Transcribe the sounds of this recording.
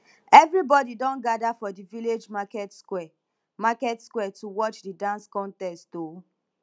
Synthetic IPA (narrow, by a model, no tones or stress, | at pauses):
ɛvɹibɔdidɔ̃nɡadafɔdiviled͡ʒmakɛtskɛ | makɛtskwɛtuwɔt͡ʃdidãnskɔ̃ntɛstto